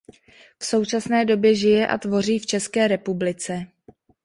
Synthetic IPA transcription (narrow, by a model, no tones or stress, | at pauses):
fso̞wt͡ʃasnɛːdo̞bjɛʒɪjɛʔa̰t̪vo̞riːft͡ʃɛskɛːɾɛpublɪt͡sɛ